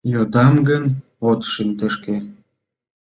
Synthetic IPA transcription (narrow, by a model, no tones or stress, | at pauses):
jod̪ɑmɡən | ot̪ʃint̪ə̆ʃke